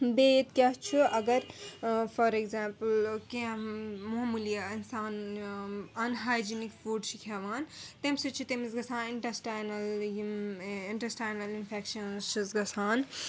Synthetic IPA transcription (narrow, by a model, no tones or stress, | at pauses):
bet̪kʲjɐɦt͡ʃʰiɐɡɐɾfɐɾekzãːmplkẽmuɦmulijainsaːn | ɐnɦaːjd͡ʒinikfuɖt͡ʃʰikʰɛʋaːnt̪emsɐt͡ʃʰit̪emizɡɐsʰãːniɳʈɐsʈaːnɐl | iɳʈɐsʈaːjnɐlinfʰekʃɐnzt͡ʃʰizɡɐsʰaːn